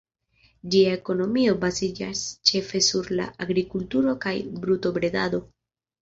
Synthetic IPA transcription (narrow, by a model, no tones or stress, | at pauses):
d͡ʒiae̞ko̞no̞mio̞bazid͡ʒast͡ʃe̞fe̞suɾla̰ʔaɡɾikultuɾo̞kajbɾuto̞bɾe̞da̰do̞